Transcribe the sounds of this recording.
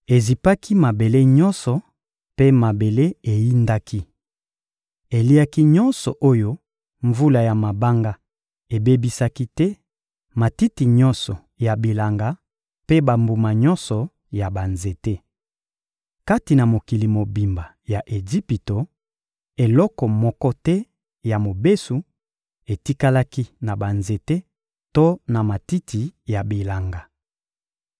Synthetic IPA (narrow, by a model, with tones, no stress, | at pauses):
e˨zi˨pa˦ki˦ma˨be˨le˦ɲɔ˦nsɔ˨ | pe˦ma˨be˨le˦e˨ji˦nda˦ki˦ | e˨li˦a˦ki˦ɲɔ˦nsɔ˨ʔo˦jo˦ | ɱvu˦la˨ja˨ma˨ba˦ŋɡa˦ | e˨be˦bi˦sa˦ki˦tɛ˦ | ma˨ti˦ti˨ɲɔ˦nsɔ˨ | ja˨bi˨la˨ŋɡa˦ | pe˦ba˨mbu˨ma˨ɲɔ̃˦nsɔ˨ | ja˨ba˨nze˨te˦ | ka˦ti˨na˨mo˨ki˨li˨mo˨bi˨mba˨ | ja˨ʔe˨zi˦pi˨to˨ | e˨lɔ˦kɔ˨mɔ˦kɔ˦tɛ˦ | ja˨mo˨be˦su˨ | e˨ti˦ka˦la˦ki˦na˨ba˨nze˨te˦ | to˦na˨ma˨ti˦tʰi˨ja˨bi˨la˨ŋɡa˨